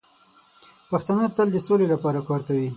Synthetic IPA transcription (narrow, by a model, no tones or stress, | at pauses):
paxt̪anət̪əld̪əsolelapɑɾakɑɾkawi